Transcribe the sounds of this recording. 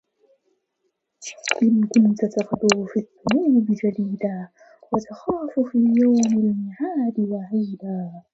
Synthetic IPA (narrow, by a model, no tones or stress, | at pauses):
ʔɪnkʊnt̪at̪afd̪ʊfiðːʊmuːnɪbɪd͡ʒad̪iːd̪aː | wat̪axaːfʊfiːjawmɪlmɪʕaːd̪ɪwaʕiːd̪aː